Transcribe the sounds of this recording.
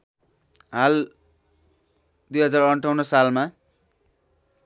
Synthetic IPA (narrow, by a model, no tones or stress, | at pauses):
ɦal | d̪ujɦʌd͡zarʌɳʈʰʌwnʌsalma